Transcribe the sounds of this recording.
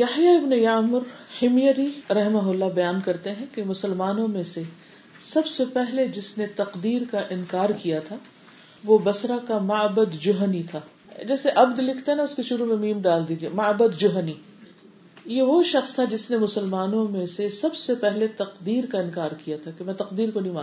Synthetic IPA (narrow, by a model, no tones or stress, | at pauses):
jɐħjaɪbnejaːmʊɾhɪmjəɾiɾɐɦɪmaɦʊlːabɐjaːnkɐɾt̪eɦɛ̃kemʊsəlmaːnõmẽse | sɐbsepɛɦled͡ʒɪsnet̪ɐqd̪iːɾkaʔɪ̃nkaːɾkijat̪ʰa | ʋobɐsɾakamɐbəd̪d͡ʒʊɦnit̪ʰaː | d͡ʒɛːseʔɐbd̪lɪkʰt̪eɦɛnaʊskeʃʊɾumẽmĩːmɖaːld̪iːd͡ʒiemɐːbəd̪d͡ʒʊɦni | jeʋoʃɐxst̪ʰad͡ʒɪsnemʊsəlmaːnõmẽsesɐbsepɛɦlet̪ɐqd̪iːɾkaɪ̃nkaːɾkijat̪ʰakemɛ̃t̪ɐqd̪iːɾkonɐɦĩmãː